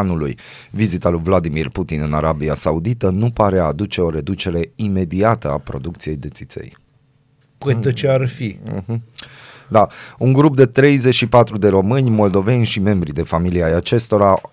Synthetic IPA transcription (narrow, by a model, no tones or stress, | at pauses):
nuluj | vizit̪alujvlad̪imirput̪inɨnaɾabiasaud̪it̪ənupaɾead̪ut͡ʃe̞o̞ɾe̞d̪ut͡ʃe̞ɾe̞ime̞d̪iat̪əapɾo̞̰d̪uk̚t̪sije̞jd̪e̞t̪sit̪sḛj | pet̪ət͡ʃearfiɦ̩d̪auŋɡɾup̚d̪e̞t̪ɾe̞jze̞t͡ʃʃipat̪ɾud̪e̞ɾo̞mɨnʲmo̞ld̪o̞ve̞nʲʃime̞mbɾid̪e̞familiajat͡ʃe̞st̪o̞ɾa